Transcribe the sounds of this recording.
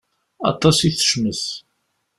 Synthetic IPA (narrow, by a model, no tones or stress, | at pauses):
ɑ̰t̪ˤɑsiθə̥ʃməθ